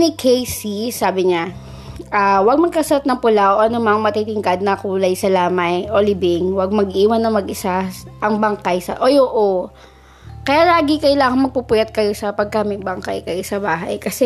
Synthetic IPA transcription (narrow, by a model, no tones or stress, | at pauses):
nɪkʰejsisaːbɪɲa | ʔaːwɐɡ̚mɐɡ̚kɐsɐɐt̪nɐŋpʊlaʔoʔɐnomɐŋmɐt̪it̪ɪŋkɐd̪̚nɐkuːlɐjsɐlaːmɐjʔolɪbɪŋwɐɡ̚mɐɡʔiːwɐnːɐmɐɡʔɪsaʔɐŋbɐŋkajsɐ̰ʔojoʔo | kɐjaːlaːɡɪkɐjlaːŋɐŋmɐɡ̚pupʊjɐt̪̚kɐjo̞sɐpɐɡ̚kamɪŋbɐŋka̰jkɐjosɐbaːɦɐ̰jkɐsɛ